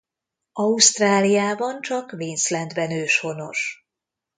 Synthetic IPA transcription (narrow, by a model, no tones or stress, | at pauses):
ɒust̪raːlijaːbɒnt͡ʃɒkveːnslɛnd̪bɛnøːʃho̞no̞̰ʃ